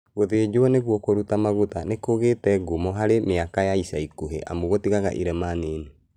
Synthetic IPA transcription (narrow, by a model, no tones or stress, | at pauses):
ɣoðeːd͡ʒoaneɣwɔkoɾutamaɣutanekoɣeːtɛɡomɔɦaɾemeakajaisaikoɦḛʔa̰moɣotiɣaɣa̰ʔiɾɛmaːneːne